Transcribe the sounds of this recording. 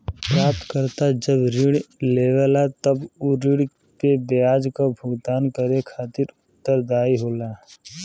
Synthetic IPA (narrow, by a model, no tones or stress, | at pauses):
pɾaːp̚t̪kəɾt̪ad͡ʒəbɾɪɽleːʋəlat̪əbʊɾɪɽ | pebjjaːd͡ʒkabʱʊɡd̪aːnkəɾekʰaːt̪ɪɾʊt̪ːəɾd̪aːiɦoːlaː